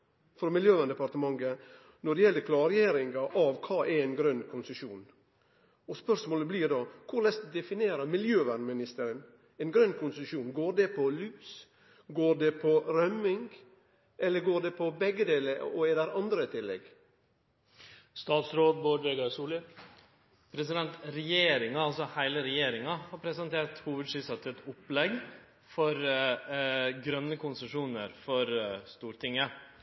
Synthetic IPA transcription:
fɾɔmɪljøːʋænd̪əpɑɾt̪əmɑŋɡə | nɔɖɛjɛlːəɾkʰlɑɾjeːɾɪŋɡɑʔɑʋkʰɑːʔɛɾɛnɡɾœnːkʰʊnsəʃuːn | ɔspœɾʂmoːləbliːɾd̪ɑːkʰʊɾlɛst̪d̪ɛfɪneːɾəmɪljøːʋænmɪnɪst̪əɾən | ɛːnɡɾœnːkʰʊnsʃuːnɡoːɾɖɛpʰɔlyːs | ɡoːɖɛpʰɔɾœmɪŋɡ | ʔɛlːəɡoːɖeːpʰɔbɛɡəd̪eːləoɛːd̪æɾɑnd̪ɾət̪ʰɪlːɛ̰ɡ | st̪ɑːt̪sɾoːd̪̚boːd̪ʋeːɡɑsuːlə | pʰɾɛsɪd̪ɛnt̪ɾɛjeːɾɪŋɑɑlsɔhæɪləɾɛjeːɾɪŋɑhɑːɾpʰɾɛsənt̪ʰeːɾʈhuːʋəd̪ʂyːsɑt̪ʰːət̪ʊplɛɡ | fɔɾ | ɡɾœnːəkʰʊnsəʂuːnəɾfɔɾst̪uːɾt̪ʰɪŋːə

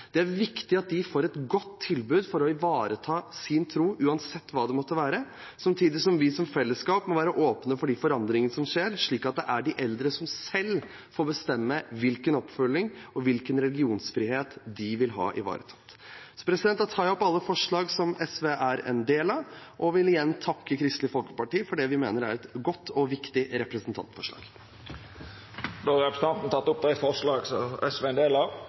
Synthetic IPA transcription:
d̪̥ɛæɾʋɪkt̪ɪɑt̪̚d̪ɪfoːɾɛt̪ɡɔt̪ʰːɪlbʉːd̪fɔɾɔɪʋɑːɾət̪ʰɑːsɪnt̪ʰɾuːʔʉːɑnsɛt̪ːʋɑːd̪ɛmɔt̪ːəʋæːɾə | sɑmt̪ʰiːd̪ɪsɔmʋɪsɔmfɛlːəskɑːpmɔʋæːɾəʔoːpnəfɔɖɪfɔɾɑnd̪ɾɪŋənəsɔmʂeːɾʂɭiːkɑt̪̚d̪ɛʔæɖɪʔɛld̪ɾəsɔmsɛlː | foːɾbəst̪ɛmːəʋɪlkənɔpfœlːɪŋɔʋɪlkənɾɛlɪɡɪuːnsfɾiːheːt̪d̪ɪʋɪlɦɑ̰ːʔɪ̰ʋɑ̰ːɾət̪ʰɑ̥t̪ː | sɔ̥pʰɾɛsɪd̪ɛnt̪ːɑt̪ʰɑːɔpːɑlːəfɔʂɭɑːɡsɔmɛsʋeːʔæɾɛ̰nd̪eːlɑʋʔɔʋɪlɪjɛnːt̪ʰɑkːəkʰɾɪst̪lɪfɔlkə̥pɑʈiːfɔɖɛʋɪmḛːnəɾæ̰ɾɛt̪ɡɔt̪ːɔʋɪkt̪ɪɾɛpɾəsənt̪ʰɑ̰nt̪fɔʂɭɑ̰ːɡ̥ | d̪oːɑɾɛpɾəsn̩ɑnt̪n̩t̪ʰɑt̪ːʊp̚d̪æɪfɔʁʂɭɑːɡsɔɛsʋeːɛnd̪eːlɑ

